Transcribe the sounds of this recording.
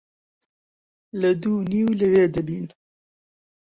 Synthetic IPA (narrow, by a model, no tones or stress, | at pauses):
ləd̪uːniːwləweːd̪əbiːn